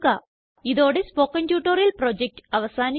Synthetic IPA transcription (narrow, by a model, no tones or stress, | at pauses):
ka | iðo̞ːɽespoːkːɐntjuːʈːoɾjilproːd͡ʑek̚ʈɐʋɐsaːni